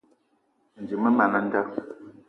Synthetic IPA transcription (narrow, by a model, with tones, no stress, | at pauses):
n̩˨d͡ʒi˨mə˦ma˨na˦n̩˦da˦